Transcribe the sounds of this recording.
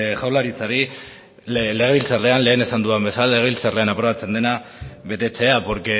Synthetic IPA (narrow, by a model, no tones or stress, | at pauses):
ʝawlaɾit͡saɾi | le̞ɣe̞βilt͡sarle̞anle̞ːne̞sand̪uambe̞salle̞ɣe̞βilt͡sarle̞anapɾo̞β̞at͡se̞nd̪e̞na | βe̞t̪e̞t͡se̞apoɾke